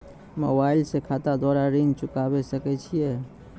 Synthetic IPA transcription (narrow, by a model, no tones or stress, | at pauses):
mobailsekʰat̪ad̪waɾaɾind͡ʒt͡ʃʊkabɛsəkɛt͡ʃʰijɛ